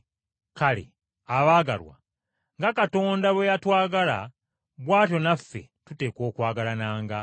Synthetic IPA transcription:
kalḛ | aβaːɡa̰lwa̰ | ŋɡakato̞ːndaβwejatwaːɡala̰ | βwaːto̞nafːe̞̰tute̞ːko̞ːkwaːɡalanaːŋɡa

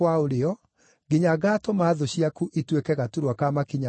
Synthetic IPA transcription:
waoɾeɔ | ɡeɲaɣatomaːðoɕiakuʔitwekɛɣatuɾwakamakiɲa

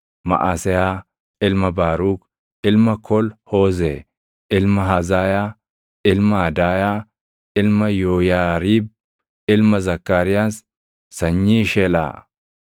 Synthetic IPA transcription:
mɐ̰ʔaːsɛjaː | ɪlmɐbaːɾuːk | ɪlmɐkʰɔlhoːzɛ̰ | ɪlmɐɦɐzaːjaː | ɪlmɐɐd̪aːjaː | ɪlmɐjoːjaːɾiːb̚ | ɪlmɐzɐkːaːɾɪjaːs | sɐɲːiːʃɛla̰ː

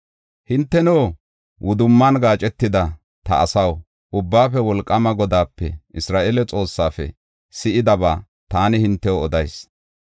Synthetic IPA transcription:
hɪnt̪ːɛnoː | wʔʊd̪ʊmːɐnɡaːt͡ʃʼɛt̪ːɪd̪ɐ | t̪ɐ̰ːsɐw | ʔʊbːaːfɛwɔlkʼːɐmɐɡɔd̪aːpːɛ̰ʔɪsɾaːʔelɛt͡sʼo̞ːsːaːfɛ̰ | sɪʔɪd̪ɐbaː | t̪aːnɪhɪnt̪ːɛwoɔd̪ɐjs

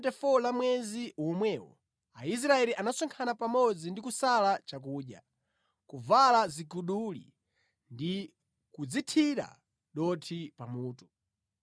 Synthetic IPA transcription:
tɛfɔlamwɛziwmwɛːwɔ̰ | ais̬ɾaɛliʔanasɔŋkʰanapamɔd͡zindikusalat͡ʃakuːɗja̰ | kuvalazikuɗulḭ | ndi | kud͡zitʰiɾa̰ | ɗɔtʰipamuːtu̥

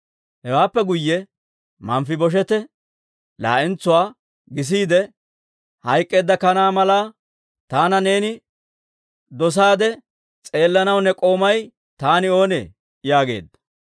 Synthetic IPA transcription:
hɛwaːpːɛɡʊjːɛ | mɐmfɪbɔʃ̬ɛt̪ɛ | la̰ːʔɪnt͡sːʊwaː | ɡɪs̬iːd̪ɛ | hɐjkʼːe̞ːd̪ːɐkɐnaːmɐlaː | t̪aːnɐne̞ːnɪ | d̪ɔs̬aːd̪ɛ | t͡sʼe̞ːlːɐnɐwnːɛkʼo̞ːmɐj | t̪aːnɪo̞ːnḛː | jaːɡe̞̰ːd̪ːɐ̥

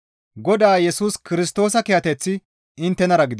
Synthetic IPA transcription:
ɡɔd̪aːjɛsuːskɪɾɪst̪o̞ːsɐkɛjɐt̪ɛt͡sːɪ | ɪnt̪ːɛnɐɾɐɡɪd̪

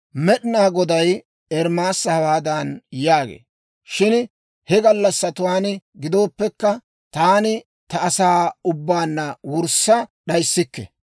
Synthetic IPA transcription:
mɛɗɪnaːɡɔd̪ɐj | ɛɾmaːsːɐhɐwaːd̪ɐnjaːɡḛː | ʃɪn | hɛɡɐlːɐsːɐt̪ʊwaːnɪɡɪd̪o̞ːpːɛkːɐ | t̪aːnɪ | t̪ɐːsaːʊbːaːnːɐwʊɾsɐɗɐjsːɪkːɛ̰

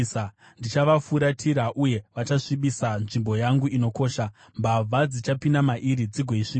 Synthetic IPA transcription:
a | ndit͡ʃaʋafuɾatʰiɾaʔuje̞ʋat͡ʃaʂiɓisanʐimbo̞jaŋɡuino̞ko̞ːʃa | mbavʱad͡zit͡ʃapinamaʔiɾid͡ziɡʱoiʂi

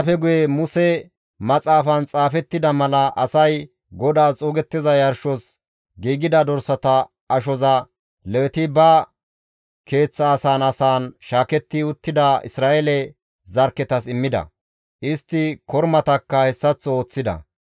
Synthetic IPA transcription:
fɛɡʊjɛmʊsɛ | mɐt͡sʼaːfɐnt͡sʼaːfɛt̪ːɪd̪ɐmɐlɐʔɐsɐj | ɡɔd̪aːt͡sʼoːɡɛt̪ːɪzɐjɐɾʃɔs | ɡiːɡɪd̪ɐd̪ɔɾsɐt̪ɐ | ʔɐʃ̬ɔzɐ | lɛwɛt̪ɪbɐ | ke̞ːt͡sːɐːsaːnɐsaːnʃaːkɛt̪ːɪʊt̪ːɪd̪ɐɪ̰sɾaːʔɛlɛ | zɐɾkɛt̪ɐsɪmːɪd̪ɐ̰ | ʔɪst̪ːɪkɔɾmɐt̪ɐkːɐhɛsːɐt͡sːɔoːt͡sːɪd̪ɐ̰

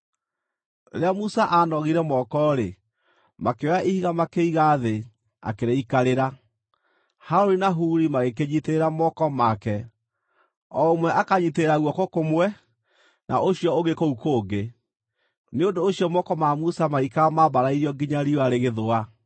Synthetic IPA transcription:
ɾeamusaʔanɔɣiɾɛmɔkɔɾe | makewaʔihiɣamakeiɣaðe | a̰keɾeikaɾeɾa | haɾoɾinaɦuɾimaɣekeɲiteɾeɾamɔkɔmakɛ | ɔomwɛʔakaɲiteɾeɾaɣwɔkokomwɛ | nʔa̰ʔoɕiɔoɣekoukoːɡe | neondoːɕiɔmɔkɔmamusamaikaamaβaɾaiɾiɔɡiɲaɾioaɾeɣeðoa

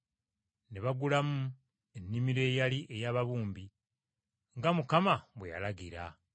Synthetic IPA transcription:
neβaɡulamu | enːimiɾe̞ːjaliʔe̞jaːβaβuːmbi | ŋɡamukamaβweja̰laɡiɾa̰

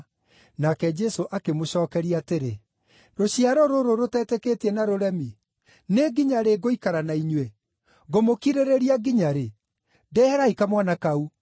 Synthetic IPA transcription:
nakɛd͡ʒɛsoʔakemoɕɔːkɛɾiateɾe | ɾoɕiaɾɔɾoɾoɾotɛtɛketiɛnaɾoɾɛmi | neɡiɲaɾeɡoikaɾanaiɲwe | ɡomokiɾeɾeɾiaɡiɲaɾe | dɛhɛɾaikamwanakau

